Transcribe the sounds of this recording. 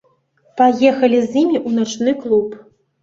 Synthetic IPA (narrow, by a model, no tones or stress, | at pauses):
pajɛxɐlʲizʲimʲiʔunat͡ʂnɨklˠup